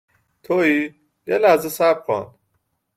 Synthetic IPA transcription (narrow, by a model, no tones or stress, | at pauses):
t̪ʰoi | jelæzesæbxɔ̰nd̪̥